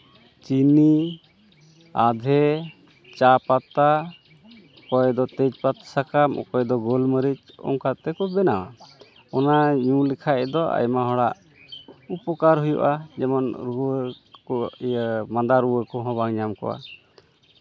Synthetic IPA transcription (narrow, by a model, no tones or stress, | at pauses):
t͡ʃini | ad̪ʱɛ | t͡ʃapat̪a | kɔjd̪ɔt̪ɛd͡ʒpat̪sakam̰kɔjd̪ɔɡɔlməɾit͡ʃ | ɔ̰ŋkat̪ɛkɔbɛnawa̰ | ɔnaɲũlɛkʰaɛd̪ɔa̰jmaɦɔɽaʔ | upɔkaɾɦujṵʔad͡ʒɛmɔnɾuəkɔ | mad̪aɾuwəkɔɦɔ̃baŋɲamkɔ̰ʔa̰